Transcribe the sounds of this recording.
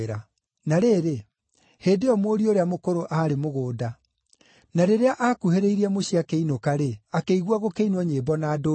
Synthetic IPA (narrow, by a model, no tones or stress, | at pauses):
ɾa | naɾeɾe | heːdeɔmoːɾioɾeamokoɾoʔaɾemoɣoːda | naɾeɾeaʔakuheɾeiɾiɛmoɕiakeinokaɾeakeiɣwaɣokeinwɔɲeːbɔnado